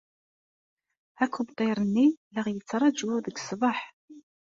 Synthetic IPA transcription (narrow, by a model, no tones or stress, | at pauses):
ækʰːubt̪ˤːeɾˤənːiləʁjət͡sːɾˤɑd͡ʒuðəɡsˤbɑħ